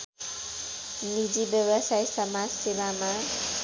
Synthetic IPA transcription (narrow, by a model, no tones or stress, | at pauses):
nid͡ʒibjʌbʌsajsʌmad͡zsebama